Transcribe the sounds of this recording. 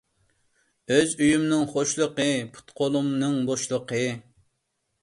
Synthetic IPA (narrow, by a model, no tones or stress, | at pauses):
øzyjymnɨŋχoʃlˠəqəpʰu̥t̪qʰolˠumnɨŋboʃlˠəqʰə